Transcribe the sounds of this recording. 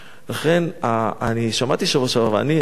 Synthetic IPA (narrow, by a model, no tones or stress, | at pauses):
laχenaaniʃamat̪iʃavoʃavavea̰ni